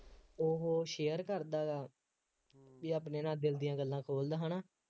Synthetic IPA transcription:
oɦoʃeːəɾkəɾd̪aːaː | biːaːpneːnãːd̪ɪld̪ɪjãːɡəlːãːkʰoːld̪aːɦaːnaː

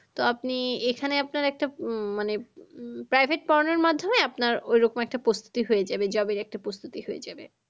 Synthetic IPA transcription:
t̪oapniekʰaneapnaɾɛk̚ʈamanepɾajbʱeʈ̚pɔɾneɾmad̪ʱːomeapnaɾojɾokomɛk̚ʈapɾost̪u̥t̪iɦoed͡ʑabed͡ʑɔbinɛk̚ʈapɾost̪ʰut̪ihoed͡ʑabe

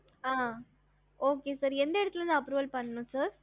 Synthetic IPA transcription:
aː | oːkesɐɾɛnd̪ɐeɽɯt̪ːɪlɐ̃nd̪ɐɐpɾuːʋɐlpɐɳːɐnũsɐɾ

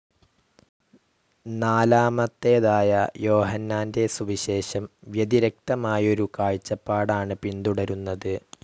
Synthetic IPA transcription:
naːlaːmɐt̪ːe̞ːðaːjɐjo̞ːɦɐnːaːnde̞suʋiɕe̞ːɕɐmʋjɐðiɾɐk̚t̪ɐmaːjɐo̞ɾukaːɻt͡ɕːɐpːaːɽaːɳɨpind̪uɽɐɾunːɐðɨ

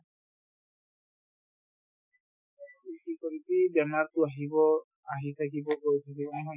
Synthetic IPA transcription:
ikikɔɾitibɛmaɹtʊaɦibɔ | aɦit̪ʰakibɔɡot̪ʰakibɔnɛɦɔj

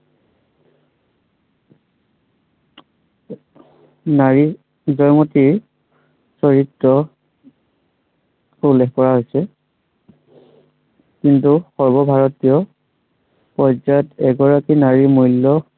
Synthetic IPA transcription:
naɹi | zɔjŋɔtiɹ | sɔɹitɹɔ | ulːɛkkɔɹaɦojsɛ | kintuxɔɹbɔbʱaɹɔtijɔ | pɔzajɔtɛɡɔɹakinaɹimujlːɔ

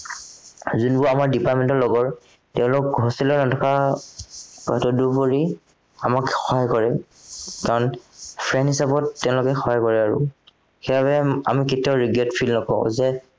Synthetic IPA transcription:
zunbʊamaɹdipaɹtmɛntɔɹlɔɡɔɹ | tɛʊ̃lʊkɦosilɔnɔtʰɔkʰa | pɔɦɛtɔdupoɹi | amakxɔɦajkɔɹɛ | kaɹɔnpʰɹɛnthisabɔtːɛʊ̃lʊkɛxɔɦajkɔɹɛaɹʊ̰ | xebabɛa̰miketiɔɹiɡɛtpʰilnɔkɔʊ̰̃zɛ

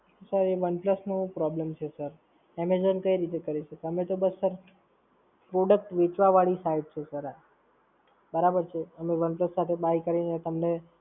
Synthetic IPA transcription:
səɾeʋənpləsnũpɾɔblemt͡ʃʰesəɾ | ɛmed͡ʒənkəiɾit̪ekəɾiʃəkeəmet̪obəsːəɾ | pɾoɖək̚ʈʋet͡ʃʋaʋaɭisaiɖ̚t͡ʃʰesəɾa | bəɾabəɾt͡ʃʰeəmeʋənpləsːat̪ʰebaikəɾinet̪əmne

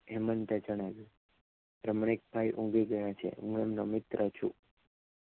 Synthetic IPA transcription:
ɛmənt̪ed͡ʒəɽ̃aʋju | ɾəmɳ̃ek̚bʱajʔũɡiɡəjãt͡ʃʰḛɦṵ̃ɡɛmnomɪt̪ɾʔət͡ʃʰu

